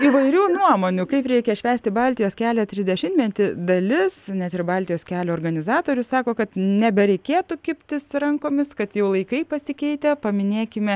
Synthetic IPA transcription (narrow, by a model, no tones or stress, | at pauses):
iʋɐɪɾʲuːnuɔmoːnʲʊkɐɪpɾʲɛɪkʲɛʃʲʋʲæːsʲt̪ʲɪbɑːlʲt̪ʲɪjoːskʲæːlʲɛt̪ʲɾʲɪzʲd̪ʲɛʃʲɪnmʲɛt̪ʲɪd̪ɐlʲɪsnʲɛt̪ɪrbɑlʲt̪ʲɪjoːskʲæːlʲɛːrɡɐnʲɪzɑːt̪oːɾʲʊssɑːkoːkɐt̪nʲɛbʲɛɾʲɛɪkʲeːt̪ukʲɪpʲt̪ʲɪsɾɐŋkoːmʲɪskɐt̪jɛʊlˠɐɪkɐɪpɐsʲɪkʲɛɪt̪ʲɛpɐmʲɪnʲeːkʲɪmʲɛ